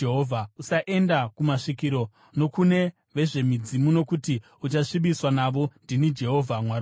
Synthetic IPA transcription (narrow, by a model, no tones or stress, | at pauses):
eɦovʱausaʔe̞ndakumaʂikiɾo̞ | no̞kune̞ | ʋe̞ʐe̞mid͡zimuno̞kuti | ut͡ʃaʂiɓiswanaʋo̞ndinid͡ʒe̞ɦo̞vʱamwaɾa